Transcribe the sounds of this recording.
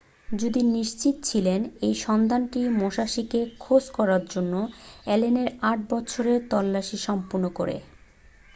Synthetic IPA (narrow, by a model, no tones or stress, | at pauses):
d͡ʑud̪iniʃt͡ɕit̪t͡ɕʰilenejʃɔnd̪anʈimoʃaʃikekʰod͡ʑkɔɾaɾd͡ʑonːoɛleneɾaʈ̚bɔtːɕʰoɾeɾt̪ɔlːaʃiʃɔmpoɾnokoɾḛ